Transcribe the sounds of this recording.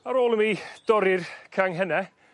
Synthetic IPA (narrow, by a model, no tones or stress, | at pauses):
aɾoːlˠəmid̥ɔɾɪrkʰaŋɦɛnɛ